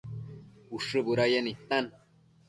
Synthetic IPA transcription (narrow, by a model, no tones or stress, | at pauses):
uʂɨbuɾajenit̪ːan